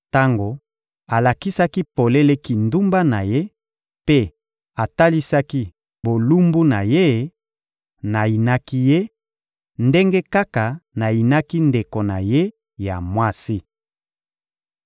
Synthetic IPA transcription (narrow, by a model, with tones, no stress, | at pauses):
ta˦ŋɡo˨ | a˨la˨ki˦sa˦ki˦po˨le˦le˦ki˨ndu˦mba˦na˨je˦ | pe˦ | a˨ta˦li˦sa˦ki˦ | bo˨lu˦mbu˦na˨je˦ | na˨i˨na˦ki˦je˦ | nde˦ŋɡe˦ka˦ka˨na˨i˨na˦ki˦nde˨ko˨na˨je˦ | ja̰˨mwa˦si˦